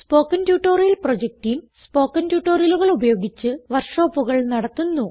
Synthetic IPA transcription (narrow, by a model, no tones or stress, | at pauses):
spo̞ːkːɐntjuːʈːoːrjɐlprod͡ʑek̚ʈijmspo̞ːkːɐntjuːʈːoːrjɐluɣɐɭubɐjo̞ːɡit͡ɕːɨʋɐrʂo̞ːpːuɣɐɭnɐɽɐt̪ːunːu